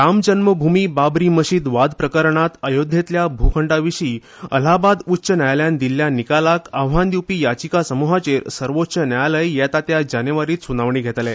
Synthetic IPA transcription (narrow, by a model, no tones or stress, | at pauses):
ɾamd͡ʑənməbʱumiːbabɾiːməɕiːd̪ʋad̪pɾəkəɾɳat̪əjod̪ʱjet̪ljabʱukʰəɳɖaʋiɕiː | ə̰labad̪utːɕənajljand̪ilːjanikalakəʋɦãnd̪jipiːjat͡ɕikasəmuɦat͡ɕeɾsəɾʋot̪ːɕənajləjjɛt̪at̪jad͡ʑanəʋaɾiːt̪sunaʋɳiːɡʱet̪lɛ